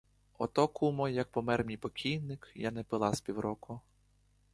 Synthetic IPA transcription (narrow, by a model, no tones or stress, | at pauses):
ɔt̪ɔkʰumɔjːɐk̚pɔmɛrmʲijpɔkʲʰijnɪkjanɛpɪlˠɑspʲiwɾɔkʊ